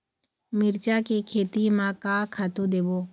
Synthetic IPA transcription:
mɪɾt͡ʃaːkikʰeːt̪imãkaːkʰaːt̪ũd̪eːboː

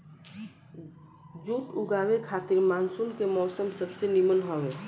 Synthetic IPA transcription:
d͡ʒuːt̪ʊɡaːwekʰaːt̪ɪɾmãːnsʊnkemɔːsəmsəbsenimənɦoːʋeː

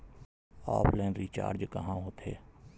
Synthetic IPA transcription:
ɔːpʰlɛːnɾit͡ʃa̰ːɾd͡ʒkəɦãɦoːt̪ʰḛː

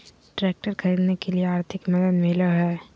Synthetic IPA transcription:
ʈɾeːk̚ʈəɾkʰɐɾiːd̪nekelieaːɾt̪ʰɪkmɐd̪əd̪mɪləɦɛː

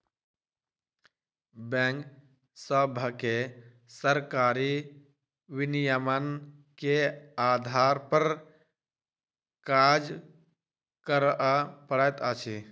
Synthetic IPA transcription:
bɛ̃ŋk | səbʱəke | səɾkaɾi | ʋinijəmənkead̪ʱaɾpəɾ | kad͡ʒ | kəɾʔapəɽɛt̪at͡ʃʰi

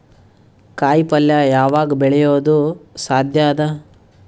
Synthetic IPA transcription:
kaːjpɐljɐjaːʋaːɡɐbɛɭɛjoːd̪usaːd̪ʱjaːd̪ɐ

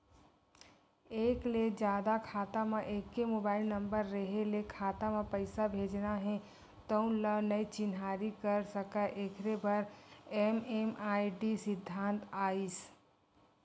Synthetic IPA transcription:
eːkled͡ʒjaːd̪akʰaːt̪amẽʔeːkːemoːbaːɪlnə̃mbəɾːəɦelekʰaːt̪amẽpəɪsabʱeːd͡ʒnaɦɛ̃ | t̪əũlənɐit͡ʃɪnɦaːɾikəɾsəkaʔekʰɾebəɾememaːiɖisɪd̪ʱːãːnt̪aːis

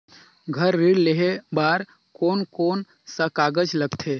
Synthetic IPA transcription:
ɡʱəɾːiːɽleɦebaːɾ | koːnkoːn | sɐkaːɡəd͡ʒləɡt̪ʰeː

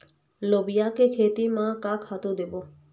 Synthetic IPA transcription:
lobijakekʰet̪imãkakʰat̪ud̪ebo

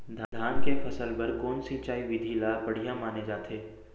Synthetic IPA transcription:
d̪ʱd̪ʱaːnkepʰɐsəlpɐɾkoːnsit͡ʃaːiʋɪd̪ʱilaːpɐɽ̤ijãmaːned͡ʒaːt̪ʰeː

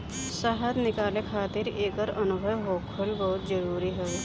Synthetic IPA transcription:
sɐɦət̪nɪkaːlekʰaːt̪ɪɾeːkəɾɐnʊbʱəwɦoːkʰəlbɔɦʊt̪d͡ʒəɾuːɾiɦɛ

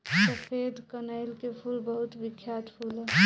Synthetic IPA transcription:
səpʰed̪ʱkənəɪlkepʰulbəɦut̪bikʰːjat̪pʰul

